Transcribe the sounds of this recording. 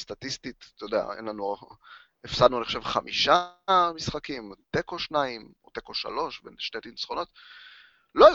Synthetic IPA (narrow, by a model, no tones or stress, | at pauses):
st̪at̪ist̪it̪t̪ojod̪ea̰ḛnlanu | efsadnuaneχoʃevχamʔiʃamisχakimt̪ekoʃnaimot̪ekoʃa̰lo̞ʃbḛnʃtet̪insχo̞no̞t̪ | loe